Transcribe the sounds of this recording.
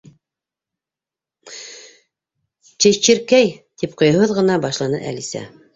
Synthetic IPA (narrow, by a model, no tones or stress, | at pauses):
t͡ʃɘ̆t͡ɕɘ̆ɾkæjt̪ip̚qŏj̆hɤðʁɤ̆nɑbɑʃlˠɑnɤʔæ̰lisæ̰